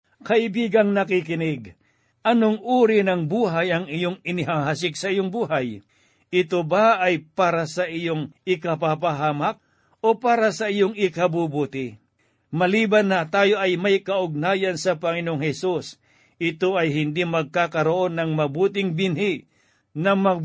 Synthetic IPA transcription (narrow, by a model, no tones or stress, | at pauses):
kɐʔɪbiːɡɐŋnɐkikɪnɪɡ | ʔɐnoŋʔuːɾɪnɐŋbuːɦajɐŋɪjoŋɪnɪɦaɦasɪk̚sɐijoŋbuːɦaj | ʔɪt̪obaːjpaːɾasɐʔijoŋɪkap̬ap̬aɦaːmɐk̚ | ʔopaːɾɐsɐʔijoŋɪkɐbubuːt̪ɪ | mɐliːbanːɐt̪aːjoʔɐjmɐjkɐʔʊɡ̚naːjɐnsɐpɐŋɪnooŋhɛsus | ʔɪt̪oɐjɦɪnd̪imɐɡ̚kaːkɐɾoʔo̞nːɐŋmɐbuːt̪ɪŋbɪnhi | nɐmɐ